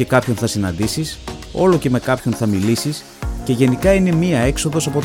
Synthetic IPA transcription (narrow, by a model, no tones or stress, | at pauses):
e̞kɐpço̞nθɐsinɐnd̪isiso̞lo̞ce̞me̞kɐpço̞nθɐmilisis | ce̞ʝe̞nikɐine̞miɐe̞kso̞ðo̞sɐpo̞t̪